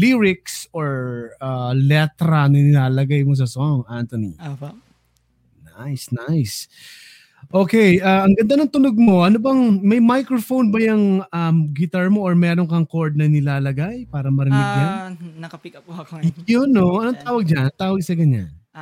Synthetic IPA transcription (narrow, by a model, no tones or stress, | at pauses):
liːɾɪksoɹaːlɛt̪ɾɐnɐnɪlaːlɐɡajmos̬ɐsoŋʔant̪onḭ | najsnajs | ʔo̞ːkɛjaːʔɐŋɡɐnd̪anoŋt̪ʊnoɡ̚mo̞ʔɐnobɐŋmɐjmajkɹofonbɐjɐŋɐmɡɪt̪aɹmo̞ʔoɹmɛːɾoŋkɐŋkoɹd̪̚nɐnɪlaːlɐɡajpaːɾɐmɐɾɪmɪɡ̚annɐɐpɪɐpjonːoʔɐnoŋt̪aːwɐɡ̚d͡ʒanɐt̪aːwɐɡ̚sɐɡɐɲa̰n